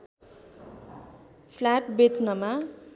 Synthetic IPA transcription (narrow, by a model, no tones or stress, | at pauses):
pʰlaʈbet͡snʌma